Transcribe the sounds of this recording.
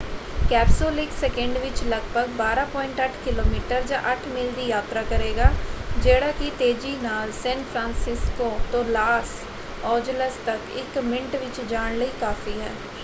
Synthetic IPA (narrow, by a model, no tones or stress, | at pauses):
kɛːpsoːlɪksɛkə̃ɳɖʋɪt͡ʃləɡbʱəɡbaːɾaːpɔːɪ̃ɳʈəʈʰkɪloːmiːʈəɾd͡ʒaːʔəʈʰmɪld̪iːjaːt̪ɾakəɾeːɡaːd͡ʒeːɽaːkit̪eːd͡ʒiːnaːlsɛ̃ːnpʰɾãːnsɪskot̪õːlaːs | ɔːd͡ʒləst̪əkɪ̰kmɪ̃ɳʈʋɪt͡ʃd͡ʒaːɽləikaːfiɦɛː